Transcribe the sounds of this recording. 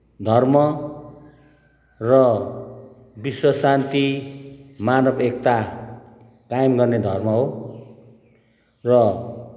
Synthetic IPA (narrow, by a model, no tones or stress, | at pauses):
d̪ʱʌrmʌ | rʌ | biswʌsant̪i | manʌbek̚t̪a | kajemɡʌrned̪ʱʌrmʌɦo | rʌ